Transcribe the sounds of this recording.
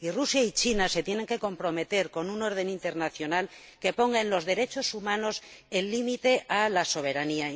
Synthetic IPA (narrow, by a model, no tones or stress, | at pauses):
irusjait͡ʃinase̞t̪je̞ne̞ŋke̞ko̞mpɾome̞t̪e̞ɾko̞nuno̞ɾð̞e̞nint̪e̞ɾnaθjo̞nal | ke̞po̞ŋɡanlo̞zðe̞ɾe̞t͡ʃo̞sumãno̞senlimit̪e̞ʔalaso̞β̞e̞ɾania